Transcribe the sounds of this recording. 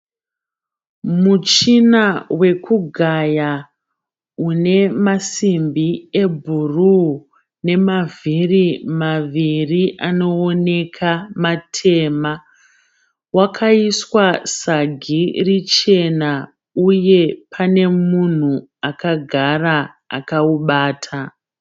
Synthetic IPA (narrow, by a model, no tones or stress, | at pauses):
mut͡ʃinawe̞kuɡʱaja | une̞masimbiebʱuru | ne̞mavirimaʋiriʔano̞ːne̞kʰamatʰe̞ːma | wakʰaiswasaɡʱirit͡ʃe̞na | uje̞pʰane̞mun̤u | akaɡʱara | akauɓaːtʰa